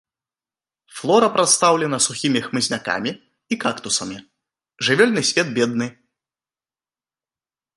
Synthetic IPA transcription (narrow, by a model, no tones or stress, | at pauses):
flˠɔɾɐpɾat̪st̪awlʲɛnɐsuxʲimʲixmɨzʲnʲaka̰mʲi | ikakt̪usɐmʲi | ʐɨvʲɛlʲnɨsʲvʲɛd̪̚bʲɛd̪nɨ